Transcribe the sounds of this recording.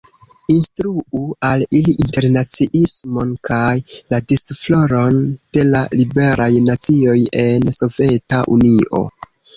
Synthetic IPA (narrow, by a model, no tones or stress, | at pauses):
instɾuualiliʔinte̞ɾnat͡siʔismo̞nkʰajladisflo̞ɾo̞nd̥e̞lalibe̞ɾʔajnat͡sio̞je̞nso̞ve̞taʔuniʔo̞̰